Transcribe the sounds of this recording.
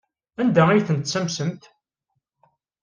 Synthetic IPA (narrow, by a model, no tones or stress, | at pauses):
ænd̪æijθənt̪sæmsənt̪